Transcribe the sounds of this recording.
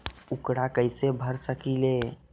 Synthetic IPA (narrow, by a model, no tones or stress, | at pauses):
ukɽakəjsebʱəɾsəkile